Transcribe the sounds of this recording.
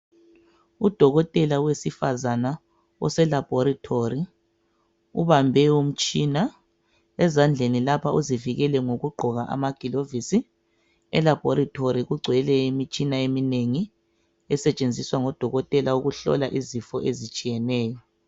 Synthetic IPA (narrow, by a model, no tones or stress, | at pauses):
ud̥ʱɔɣɔtʼɛlawesifazana | ɔ̰sɛlab̥ʱoɾitʰori | ṵβambʱɛum̩t͡ʃʼina | ɛzand͡ɮʱenilapʰauziviɣɛlɛŋoɣuɡ͡ǃʱɔɣaʔa̰maɡ̥ʱilovisi | ɛlab̥ʱɔɾitʰoɾiɣuɡ͡ǀʱwɛlɛimit͡ʃʼinaemineŋi | ɛsɛt͡ʃʼend͡zʱiswaŋɔd̥ʱɔɣɔtʼɛlauɣuɬɔ̰laʔizifɔʔezit͡ʃʼijɛnɛːjɔ